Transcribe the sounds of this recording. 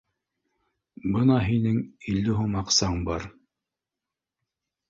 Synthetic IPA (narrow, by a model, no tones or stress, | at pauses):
bɤnɑɦinɘŋild̪ɘɦumɑqsɑɴbɑɾ